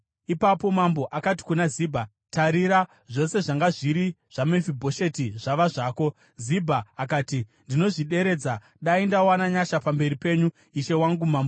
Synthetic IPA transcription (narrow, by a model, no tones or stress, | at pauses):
ipapo̞mambo̞ʔakati̥kunazibʱa | taɾiɾa | ʐo̞se̞ʐaŋɡaʐiɾi | ʐ̥amefibʱo̞ʃe̞tiʐaʋaʐaːko̞ | zibʱaːkaːtindino̞ʐiɗe̞ɾe̞d͡za | ɗaindawanaɲaʃapambe̞ripe̞ːɲu | iʃe̞waŋɡumaːmbo